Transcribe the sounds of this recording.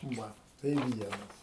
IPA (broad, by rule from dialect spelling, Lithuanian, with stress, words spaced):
ˈʋɐ tɐɪ ˈʋʲiɛnɐs